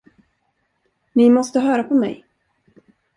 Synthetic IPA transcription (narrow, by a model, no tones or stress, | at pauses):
nɪmɔst̪əɦœːɾapʰɔmɛ̰j